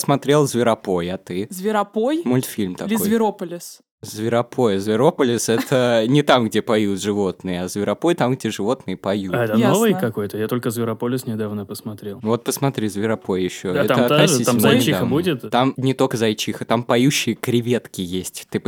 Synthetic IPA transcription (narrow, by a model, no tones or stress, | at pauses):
smɐt̪ɾʲe̞lˠzvʲɪɾɐpo̞jɐt̪ɨzvʲɪɾɐpojmʊlʲt̪fʲilʲmt̪ɐlʲɪzojvʲɪɾopəlʲɪs | zvʲɪɾɐpʰo̞jəzvʲɪɾo̞pəlʲɪsɛt̪ʰənʲɪt̪amɡdʲepɐjut̪ʐɨvo̞t̪nɨjəɐzvʲɪɾɐpo̞jt̪amɡdʲeʐɨvo̞t̪nɨjəpɐjuɛt̪ənovɨjkɐko̞jt̪əjat̪o̞lʲkəzvʲɪɾɐpolʲɪsnʲɪd̪avnəpəsmɐt̪ɾʲelˠvo̞t̪̚pəsmɐt̪ɾʲizvʲɪɾɐpo̞jjɪɕːo̞ɛt̪aəɐt̪nɐsiaɪmmʲɪid̪avudʲɪt̪t̪amnʲɪt̪okəzɐjt͡ɕixət̪ampɐjuɕːɪjəkɾʲɪvʲe̞t̪kʲɪjesʲtʲt̪ɨ